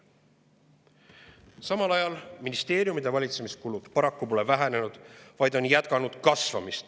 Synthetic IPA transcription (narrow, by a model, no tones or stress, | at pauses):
sɑmɑlɑjɑlminist̪e̞ːɾijumid̪e̞vɑlʲit̪se̞miskulud̪̥pɑɾɑkːupo̞le̞væɦene̞nud̪̥vɑjd̪̥o̞njæt̪̚kɑnud̪̥kɑsvɑmist̪